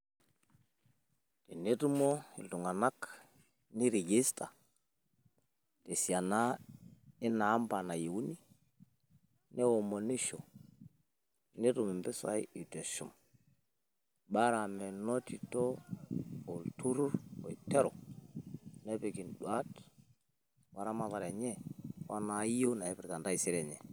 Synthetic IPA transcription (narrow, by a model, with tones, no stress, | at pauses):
tɛ˨ne˦du˦mɔ˦ḭ˨ldu˨ŋa˨na˦k | ni˦ɾi˨ɡi˦sta˨ | te˨si˨a˨na˦ | i˦na˨a˦mba˨na˨je˨wu˦ni˦ | nɛ˦wɔ˨mo˨ni˦ʃo | nɛ˦ɾu˨mɛ˨mbɛ˦sa̰˦i˦i˨tɛ˨ʃṵ˨m | ba˦ɾa˨mɛ˨nɔ˦ti˨tɔ˦ | o˨ltu˦ɾu˦ɾɔ˨i˨tɛ˦ɾɔ˨ | nɛ˦pe˨ki˨nɗwa˦t | wa˨ɾa˦ma˨ta˨ɾɛ˨ɲɛ˦wa˦na˨˦i˦o˦na˨ɛ˦pi˨ɾka˨nda˦i˨si˦ɾɛ˨ɲɛ˨